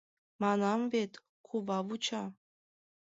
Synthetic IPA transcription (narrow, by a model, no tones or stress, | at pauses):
mɑnɑmvet̪ | kʰuβɑβut͡ɕɑ